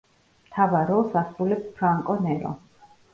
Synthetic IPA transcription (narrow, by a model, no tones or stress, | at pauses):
mt̪ʰavaɾɔsasulɛppʰɾaŋkʼɔnɛɾɔ̰